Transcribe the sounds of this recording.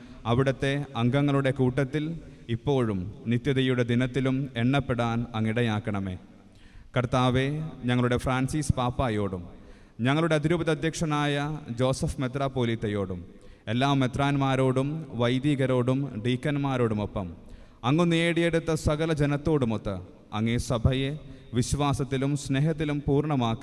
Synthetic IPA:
ɐʋiɽɐt̪ːe̞ɐŋɡɐŋːɐɭuɽe̞kuːʈːɐt̪ːilipːo̞ːɻumnit̪jɐðɐjuɽe̞d̪inɐt̪ːilume̞ɳːɐpːeɽaːnɐŋːiɽɐjaːkːɐɳɐme̞ː | kɐrt̪aːʋe̞ɲɐŋːɐɭuɽe̞fraːnsiːspaːpːaːjo̞ːɽum | ɲɐŋːɐɭuɽe̞ɐd̪iɾuːbɐðɐd̪ʱjɐkʂɐnaːjɐd͡ʑo̞ːsɐfme̞t̪raːpːoːliːt̪ːɐjo̞ːɽum | elːaːʋmet̪raːnmaːɾo̞ːɽumʋɐjd̪iːɣɐɾo̞ːɽumɖiːkːɐnmaːɾo̞ːɽumopːɐm | ɐŋːuneːɽijeɽut̪ːɐsɐɣɐlɐd͡ʑenɐt̪ːo̞ːɽumot̪ːɐ̰ | ɐŋːesɐbʱɐjeʋiɕʋaːsɐt̪ːilumsne̞ɦɐt̪̬ːilumpuːrɳɐmaːkːi

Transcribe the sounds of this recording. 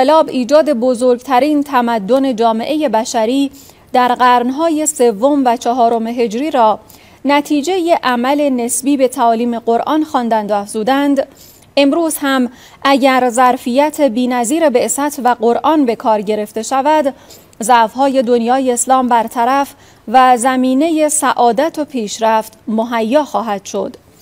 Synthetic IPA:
elɒːbiːd͡ʒɒːd̪e̞bo̞zoɾɡt̪ʰæɾiːnt̪ʰæmæd̪ːo̞ne̞d͡ʒɒːme̞ʔe̞je̞bæʃæɾiː | d̪̥æɾɢæɾnɦɒːje̞se̞vːo̞mvæt͡ʃʰɒɦɒːɾo̞meɦe̞d͡ʒɾiːɾɒː | næt̪ʰiːd͡ʒe̞jeʔæmæle̞ne̞sbiːbe̞t̪ʰæɒːliːme̞ɢo̞ɾʔɒːnxɒːnd̪ænd̪oæfz̥uːd̪ænd̪ | ʔe̞mɾuːz̥hæm | ʔæɟæɾzæɾfijæt̪ʰebiːnæziːɾe̞be̞ʔsæt̪ʰvæɡo̞ɾʔɒːnbe̞kʰɒːɾɟe̞ɾe̞ft̪e̞ʃævæd̪ | zæʔfɦɒːje̞d̪o̞njɒːjeːslɒːmbæɾt̪ʰæɾæf | væzæmiːne̞je̞sæʔɒːd̪æt̪ʰo̞pʰiːʃɾæft̪moɦæjːɒːxɒːɦæd̪̥ʃo̞̰d̪̥

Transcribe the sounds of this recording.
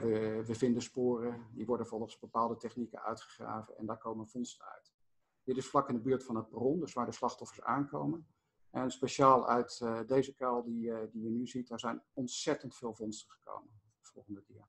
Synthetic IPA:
ʋəʋəvɪndəspʊːrədiʋɔɹdənvɔlˠχəzbəpaːlˠdətɛχnikə̰nœ̰ɥtχə̥χra̰ːvə̰nɛ̰ndaːɹkowmənvɔnstəœ̰ɥt | dɪtɪsflɑkɪndəbyːɹtfɑnəprɔndɵsʋaːɹdəslɑχtɔfəɹsa̰ːnkowmən | ʔɛnənspeʃaːlˠœ̰ɥtdejzəkɛlˠdidijənyzit̚daːɹzɛjnɔntsɛtəntfɪːlˠvɔnstəχə̥ko̰wmənvəfɔ̰lˠχəndədi

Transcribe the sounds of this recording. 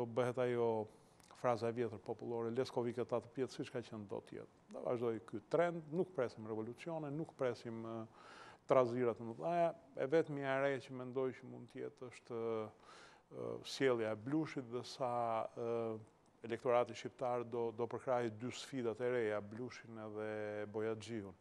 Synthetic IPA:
ɔbəɦɛt̪ajɔ | fɾazaɛvjɛt̪əɾpɔpulˠɔɾɛlɛskɔvikɛt̪at̪əpjɛt̪sit͡ʃkat͡ɕɛnd̪ɔ̰t̪jɛ̰t̪ | d̪a̰va̰ʒd̪ɔjkyt̪ɾɛnd̪nukpɾɛsimrɛvɔlut͡siɔnɛnukpɾɛsim | t̪ɾaziɾat̪ənəðajaɛ̰vɛt̪miaɾɛcəmɛnd̪ɔjcəmund̪t̪ːəjɛ̰t̪əʃt̪ | sjɛlˠjaɛbluʃit̪ðɛsa | ɛlɛkt̪ɔɾat̪iʃipt̪aɾd̪ɔd̪ɔpəɾkɾaɦid̪ysfid̪at̪ɛɾɛjabluʃinɛðɛbɔjad͡ʒiun

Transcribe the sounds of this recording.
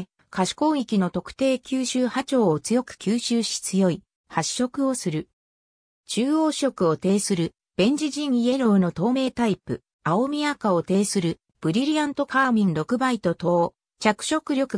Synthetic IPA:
kaɕi̥kõ̞ikʲino̞t̪o̞kɯ̟̥t̪e̞ːkʲɨːɕɨːhat͡ɕo̞ːot͡sɨjo̞kɯ̟̥kʲɨːɕɨːɕi̥t͡sɨjo̞i | haɕːo̞kɯ̟o̞sɨɾɯ̟ | t͡ɕɨːo̞ːɕo̞kɯ̟o̞t̪e̞ːsɨɾɯ̟ | b̥ẽ̞ɲ̟d͡ʑiʑĩɰ̃ie̞ɾo̞ɯno̞t̪o̞ːme̞ːt̪aipɯ̟ | ao̞mʲiakao̞t̪e̞ːsɨɾɯ̟ | b̥ɯ̟ɾʲiɾʲiãnt̪o̞kaːmʲĩnɾo̞kɯ̟bait̪o̞t̪o̞ː | t͡ɕakɯ̟̥ɕo̞kɯ̟ɾʲo̞kɯ

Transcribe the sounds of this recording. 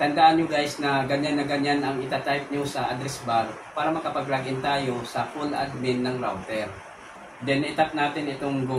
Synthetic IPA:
t̪ɐnd̪aːʔɐnjoɡajsnɐɡɐɲanːɐɡɐɲanɐŋɪt̪at̪ajp̚ɲosɐʔad̪ɾɛsbal | paːɾɐmɐkɐpɐɡɾaːɡɪnt̪aːjo̞sɐfulʔa̰d̪̚mɪnːɐŋɾawt̪ɛɾ | d̪ɛnɪt̪ap̪̚naːt̪ɪnɪt̪oŋɡu

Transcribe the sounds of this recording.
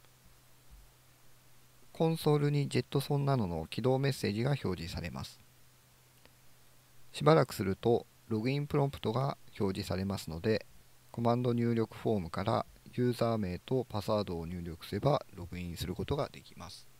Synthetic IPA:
kʰõ̞ɰ̃so̞ːɾɯ̟ɲ̟id͡ʑe̞t̪ːo̞sõ̞nːano̞no̞̰kʲid̪o̞ːme̞sːe̞ːʑiɡaço̞ːʑisaɾe̞̰ma̰sɨ̥ | ɕibaɾakɯ̟̥sɨɾɯ̟t̪o̞ | ɾo̞ɡɯ̟ĩmpɯ̟ɾo̞mpɯ̥t̪o̞ɡaço̞ːʑisaɾe̞masɨno̞d̪e̞ko̞mãnd̪o̞ɲ̟ɨːɾʲo̞kɯ̟̥ɸo̞ːmɯ̟kaɾa̰jɯ̟ːzaːme̞ːt̪o̞pasaːd̪o̞ːɲ̟ɨːɾʲo̞kɯ̟̥sɨe̞baɾo̞ɡɯ̟ĩɰ̃sɨɾɯ̟ko̞t̪o̞ɡad̪̥e̞kʲi̥masɨ̥

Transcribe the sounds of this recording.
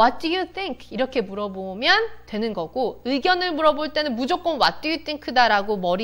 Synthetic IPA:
wʌt̚dujutʰiŋkʰiɾʌkʰe̞muɾʌbomjʌntwe̞nɯnɡʌɡoɯiɡjʌnɯɭmuɾʌboɭt͈e̞nɯnmud͡ʑok͈ʌnwat̚t͈ujutʰiŋkʰɯdaɾaɡomʌɾi

